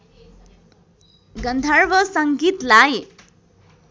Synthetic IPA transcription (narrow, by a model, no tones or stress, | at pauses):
ɡʌnd̪ʱarbʌsʌŋɡit̪laj